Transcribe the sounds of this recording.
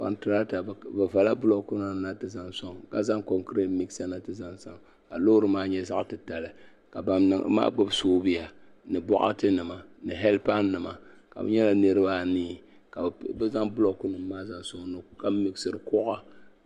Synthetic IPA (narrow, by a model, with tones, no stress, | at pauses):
pa̰˨ntɨ˨ɾa˦ta˨bɨ˨va˨la˦bʊ˦lo˦ku˦na˨na˦tɨ˦za˦ŋsɔ˦ŋka˨za˦ŋko˨ŋkɾe˦tmi˦ksa˦na˦tɨ˦za˦nsa˦ŋ | a˨lo˦ɾɨ˦maː˦ɲɛ˦za˦ʔtɨ˨ta˨lɨ˨ | ka˨ba˨ma̰ː˦ɡ͡bo˦bsoː˦bi˦ja˨ | nɨ˨bɔ̰˦ʔa̰˦tɨ˦nɨ˨ma˨nɨ˨ɦɛ˦lpa˦nːɨ˨ma˨ka̰˨bɨ̰˦ɲɛ˦la˨nɨ˦ɾɨ˦ba˦˨niː˦ | ka˨bɛ˦za˦ŋbʊ˦lo˦ku˦nɨ˨mː˦aː˦za˦ŋsɔ˦ŋnɨ˨ka˨˦mi˨ksɨ˨ɾɨ˨kɔ˦ʔa˦